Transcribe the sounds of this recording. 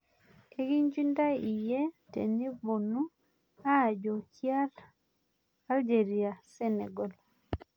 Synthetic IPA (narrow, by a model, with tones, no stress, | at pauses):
ke˦ɡi˦ɲd͡ʒi˦nda˦i˨je˦tḛ˨ni˦bo˨nu˦ | a˦˨d͡ʒo˨kja˦ɾ | a˦ld͡ʒe˨ɾi˨a˨sɛ˦nɛ̰˨ɡɔ˨l